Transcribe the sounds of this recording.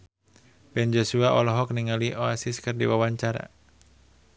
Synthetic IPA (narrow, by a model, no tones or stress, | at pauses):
bɛnd͡ʒosuaʔɔlɔɦɔk̚niŋaliʔoasiskɨrdḭwawaɲt͡ʃaɾa̰